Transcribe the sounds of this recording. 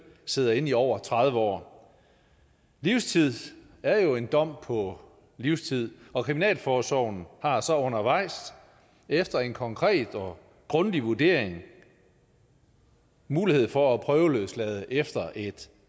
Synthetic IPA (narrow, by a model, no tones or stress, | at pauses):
se̝ð̞̰ˠɐe̝n̰iɒʊ̰ɐt͡sʰʁɑ̈ð̞ˠʋəɒ̰ː | liʊst͡sʰið̰ˠ | æɐjo̝e̝nd̥ɒ̽m̰pʰɒ̽ | liʊst͡sʰið̰ˠɒ̽kʰʁiminɛ̰ːlfɒːsɒʊn̩hɑ̈sɒ̽ɔ̽nɐʋɑ̈ɪ̰s | efd̥ɐe̝nkʰɒ̽ŋkʰʁɛ̰ːd̥ɒ | ɡ̥ʁɔ̽nd̥iʋuɐd̥e̝̰ɐ̰eŋ | muːlihe̝ð̞̰ˠfɒ̽æpʰʁœːʊløslɛð̞ˠəʔefd̥ɐʔe̝d̥